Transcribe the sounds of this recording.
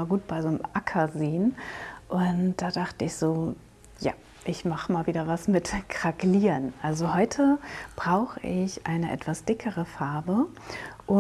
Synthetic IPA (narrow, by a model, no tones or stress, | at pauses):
aɡuːt̚b̥aɪzoːnəmʔakʰɐzeːənʔʊntd̥aːdaχtəɪçz̥oː | ja̰ː | ʔɪçmaχəmaːlviːdɐvasmɪtkʁ̥akliːnʔalzohɔʏtʰəb̥ʁaʊxəʔɪçʔaɪnəʔɛ̰tv̥asd̥ɪkʰəʁəfaɐbə | ʔʊ